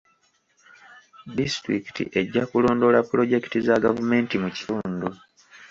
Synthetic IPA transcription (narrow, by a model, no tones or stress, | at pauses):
distɾiki̥tḭʔe̞ɟːakulo̞ːndo̞lapːuɾo̞ɟe̞ktizaɡavume̞ːntimuci̥tuːndu